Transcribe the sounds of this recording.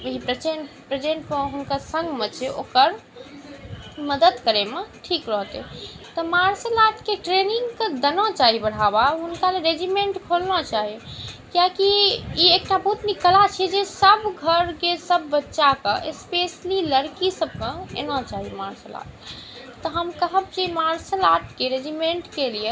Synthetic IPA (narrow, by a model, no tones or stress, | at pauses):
əɦipɾət͡ʃenpɾed͡ʒẽɳʈ̚pəɦunkəɾsə̃ŋɡmet͡ʃʰɛo̰kəɾ | məd̪əd̪kəɾemeʈʰikɾəɦt̪ḛ | t̪ɔmaɾsəlat̪keʈɾeniŋɡkəd̪ənɔ̃t͡ʃaɦibəɽ̤abaɦunkaleɾed͡ʒimeɳʈkʰolnat͡ʃaɦikjakiiekʈabəɦut̪niklat͡ʃʰɛd͡ʒesəbɡʱəɾkesəbːətːʃakəʔespesliləɾkisəb̚kə̃ḛnat͡ʃaɦimaɾsəla̰ʈ̚ | t̪ːɔɦəmkəɦəb̚d͡ʒimaɾslaʈkeɾed͡ʒimeɳʈkelie